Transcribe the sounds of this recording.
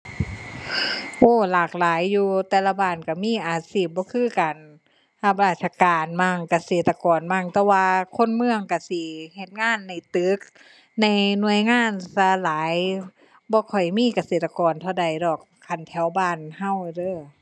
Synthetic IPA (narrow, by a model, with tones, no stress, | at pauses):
ʔoː˧˩laː˧˩k̚laː˨˦jːuː˧t̪ɛː˧˩la˧˩baː˧˩nka˧˩miː˧˥˨ʔaː˨˩siː˧˩p̚bɔː˧˦kʰɯː˧˥˨kaː˨n | ha˧˩p̬̚ɾaː˧˩t̪̚sʰa˧kaː˨˩nmaː˧˩ŋka˧seː˨˩t̪ːa˧kɔː˨nmaː˧˥˩ŋt̪ɛː˧waː˧kʰo˧˥˨nmɯ˧əŋka˧˩si˧˦he˧t̪̚ŋaː˧˥˨nːa˧˩jt̪ɯ˨˦k̚ | na˧˩jnu˧˨əjŋaː˧˥˨nsa˧laː˨˦j | bɔː˧˦kʰɔ˨˩jmiː˧˥˨ka˨˧seː˨˩t̪̚ːa˧kɔː˨nt̪ʰa˧˩wda˨˩jdɔː˨˩k̚ʰːa˨˩nt̪ʰɛ˨˧˦wbaː˧˨nha˧˩˨wdɤː˧˥˨